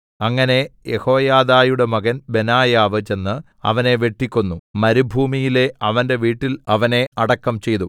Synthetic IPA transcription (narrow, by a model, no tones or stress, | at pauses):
ɐŋːɐne̞je̞̰ho̞ːjaːðaːjuɽe̞mɐɡɐnbe̞naːjaːʋɨt͡ɕe̞nːɨ | ɐ̰ʋɐne̞ʋe̞ʈːikʲːunːumɐɾibʱuːmijile̞ɐʋɐnde̞ʋiːʈːilɐʋɐne̞ɐɽɐkːɐmt͡ɕe̞jt̪u